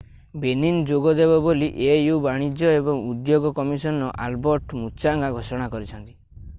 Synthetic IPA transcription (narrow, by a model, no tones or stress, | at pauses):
benind͡ʒoɡɔd̪ebɔboliʔejubaɽ̃id͡ʒjɔebɔŋud̪joɡɔkɔmisɔnɔʔalbɔɾʈmut͡ʃaŋɡaɡʱosɔɽ̃akɔɾit͡ʃʰɔnt̪i̥